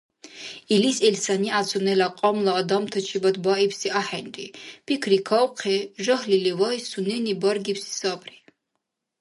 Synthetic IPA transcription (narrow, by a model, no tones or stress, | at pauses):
ilisɛlsaniat͡sʰunɛlaqʼɔmlˠaːd̪amt̪ʰat͡ʃʰibad̪baipʰsiʔaħɛnɾʼipʰikʰɾikʰawqʰɛʒɔhlilivajsunɛnibaɾɡipsi̥sabʰri